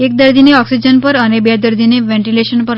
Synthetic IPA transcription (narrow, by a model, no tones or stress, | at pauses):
ek̚d̪əɾd̪ʱineɔksid͡ʑənpəɾənebed̪əɾd̪ʱineʋɛ̃ɳʈileʃənpəɾ